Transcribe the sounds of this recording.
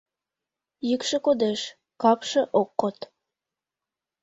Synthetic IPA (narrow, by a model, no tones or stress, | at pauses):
jəkʃə̆kod̪eʃ | kɑpʃɤ̆ʔokːot̪